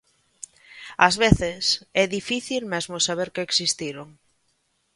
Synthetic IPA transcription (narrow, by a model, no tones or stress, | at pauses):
azβeθɪsɛðifiθilmɛzmosaβ̞eɾkeeksist̪iɾoŋ